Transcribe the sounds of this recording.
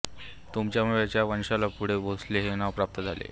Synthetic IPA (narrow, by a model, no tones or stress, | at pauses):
t̪umt͡ɕjam̤uʋjat͡ɕjaʋənɕalapuɽ̤ebosleɦenaʋpɾap̚t̪əd͡zʱalḛ